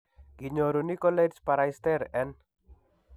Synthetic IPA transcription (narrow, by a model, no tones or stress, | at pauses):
ɡ̥iɲɔɾunikɔledspaɾajst̪ɛɾɛn